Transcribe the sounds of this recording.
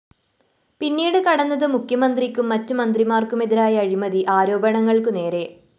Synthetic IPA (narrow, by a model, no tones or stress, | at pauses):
pinːiːɽɨkɐɽɐnːɐðɨmukʰjɐmɐnd̪rikʲːumːɐtːɨmɐnd̪rimaːrkume̞ðiɾaːjɐːɻimɐðiʔaːɾo̞ːbɐɳɐŋːɐɭkɨne̞ːɾe̞